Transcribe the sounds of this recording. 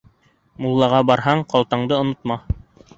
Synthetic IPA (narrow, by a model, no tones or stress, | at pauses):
mulˠːɑʁɑbɑɾɦɑɴqɑlˠt̪ɑɴd̪ɤŏnŏt̪̚mɑ